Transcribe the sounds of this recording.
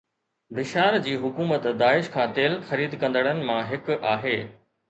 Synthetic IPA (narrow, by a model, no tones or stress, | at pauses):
bɪʃaːɾd͡ʑiːɦʊkuːmət̪d̪aːɪʃkʰãːt̪eːlxɐɾiːd̪kɐ̃nd̪əɽ̃ənɪ̆mãɦɪkʔaːɦeː